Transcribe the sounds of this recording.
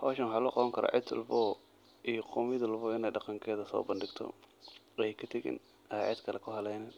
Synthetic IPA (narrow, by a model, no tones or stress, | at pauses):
hɔːʃɐnħɑːlʊqɑβɐŋkʰɐɾa̰ːʕɪt̪ːʊ̰lfɔː | ijɔqʊmɪðɪlfɔːɪnɛjɖɑqɑŋkʰɛːðɐsɔ̰ːbɐndɪɡt̪ʰɔ̰ | jjkʰɐt̪ʰɐɣɪ̰n | ɛʕɪd̪kʰɐlɛkʰʊɦɐlɛjnɛːn